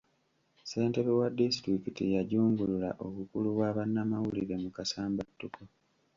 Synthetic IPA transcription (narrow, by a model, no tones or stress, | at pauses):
se̞ːnte̞βewadːistɾikitijaɟuːŋɡulula̰ʔoβukuluβwaːβanːamawuliɾe̞mukasaːmbatːuko